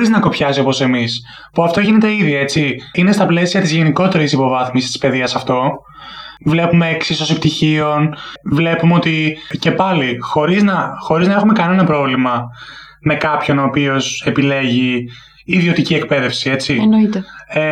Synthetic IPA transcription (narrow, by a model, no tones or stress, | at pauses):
ɾiznɐko̞pçɐsio̞po̞se̞mis | puɐft̪o̞ʝine̞t̪eiðʝɐe̞t͡siine̞st̪ɐple̞siɐt̪izʝeniko̞t̪e̞ɾisipo̞vɐθmisist̪i̥spe̞ðiɐsɐft̪o̞ | vle̞pumeksiso̞sipt̪içio̞nvle̞pumeo̞t̪ice̞pɐlixo̞ɾiznɐxo̞ɾiznɐe̞xume̞kɐne̞nɐpɾo̞vlimɐ | me̞kɐpço̞noːpio̞se̞pile̞ʝiː | ðio̞t̪icie̞k̚pe̞ðe̞fsie̞t͡sinoit̪